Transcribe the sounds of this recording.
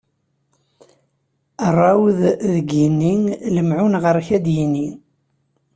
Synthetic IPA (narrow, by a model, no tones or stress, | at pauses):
ərˤːɑwððəɡinːiŋləmʕunʁəɾçæd̪jini